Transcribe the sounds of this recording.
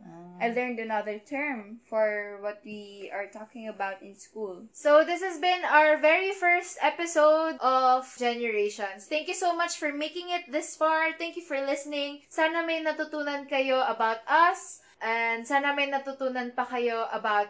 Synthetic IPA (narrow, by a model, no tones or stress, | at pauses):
ʔajlɛɹnd̪ɐnɐðəɹt̪ʰɛɹmfɔɹwɔt̪̚wiɐɹt̪ɔkɪ̃ŋɐbawt̪ɪ̃nskulsowðɪs̬hɐsbɪ̃nawəɹvɛɹifɛɹst̪ɛpɪsowd̪ʔɔvd͡ʒɛnɛɹeʃɔ̃nst̪ɛ̃ŋkjusowmɐt͡ʃfɔɹmekɪ̃ŋɪt̪̚ðɪsfaɹt̪ɛ̃ŋkjufɔɹlɪsənɪ̃ŋsaːnɐmɐjnɐt̪ʊt̪uːnɐnkɐjoʔɐbawt̪ɐs | ʔɛnd̪saːnɐmɐjnɐt̪ut̪uːnɐnpɐkɐjoʔɐbawt̪̚